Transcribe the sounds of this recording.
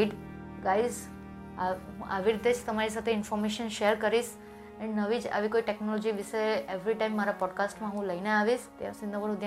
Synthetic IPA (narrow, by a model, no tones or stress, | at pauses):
ɖ | ɡaiz | ʔaʋiɾit̪ed͡ʒt̪əmaɾis̬at̪ʰeɪnfɔɾmeʃənʃeəɾkəɾiʃ | annəʋid͡ʒa̰ʋikoiʈeknɔlɔd͡ʒiʋiʃeeʋɾiʈaimːaɾapɔɖkasʈmãɦũləineaʋiʃt̪easind̪əʋəɾud̪j